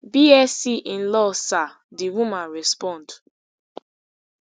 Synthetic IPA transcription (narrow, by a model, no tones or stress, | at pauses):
biɛsiʔĩn̩lɔsa | diwumãnɹɛspɔ̃nd